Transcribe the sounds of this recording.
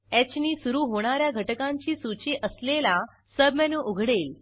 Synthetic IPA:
ɛt͡ɕniːsuɾuːɦoɽ̃aɾjaɡʱəʈəkãɲt͡ɕiːsut͡ɕeʔəslela | səbmɛnũːʔuɡʱɽel

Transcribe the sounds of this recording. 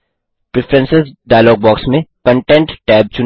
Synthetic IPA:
pɾɪfɾə̃nsɪsɖaːjlɔːɡ̚bɔːksmẽkə̃ɳʈɛ̃ɳʈʈɛːb̚t͡ʃʊ

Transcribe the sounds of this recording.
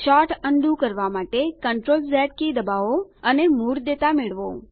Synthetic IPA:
ʃɔʈəɳɖ̪ũkəɾʋamaʈekəɳʈɾolzɛʈ̚kid̪əbaʋoənemuɾd̪et̪amɪɭʋo̰

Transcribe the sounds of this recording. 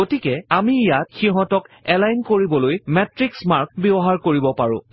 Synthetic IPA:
ɡotikɛamiːjatxiɦɔ̃tɔkɛlajnkoɹibɔlojmɛtɹiksmaɹk̚bibɔɦaɹkoɹibɔpaɹʊ̰̃

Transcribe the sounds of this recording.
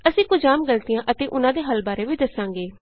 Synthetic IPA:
əsĩːkʊd͡ʒaːmɡəlt̪ɪjãːʔət̪eːʔʊnãːd̪eːɦəlbaːɾeːʋiːd̪əsãːŋɡeː

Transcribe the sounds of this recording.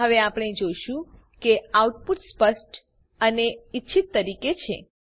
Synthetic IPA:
əʋeapɽ̃ed͡ʒojʃũ | keauʈpuʈspəsʈ | əneitːʃʰit̪ːəɾiket͡ʃʰḛ

